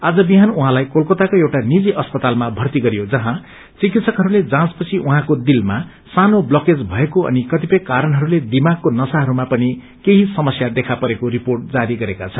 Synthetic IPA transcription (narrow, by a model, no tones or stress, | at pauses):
ad͡zʌbiɦanuɦãlajkolkot̪akoewʈanid͡ziʔʌspʌt̪almabʱʌrt̪iɡʌɾijod͡zʌɦã | t͡sikit̪sʰʌkɦʌɾuled͡zãspʌt͡sʰiʔuɦãkod̪ilma | sanoblʌked͡zbʱʌekoʌ̰nikʌt̪ipʌjkaɾʌnɦʌɾuled̪imaɡ̚konʌsaɦʌɾumapʌni | keɦisʌmʌsjad̪ekʰapʌɾekoɾiporʈ̚d͡zaɾiɡʌɾekat͡sʰʌn